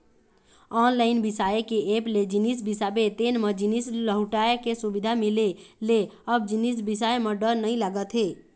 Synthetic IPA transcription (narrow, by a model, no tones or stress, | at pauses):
ɔnlaɪnbisaekeepled͡ʒinis̬bisabet̪enmed͡ʒinisləɦuʈajkesubid̪ʱamileleəbd͡ʒinis̬bisaeməɖəɾnəjlaɡət̪ɦe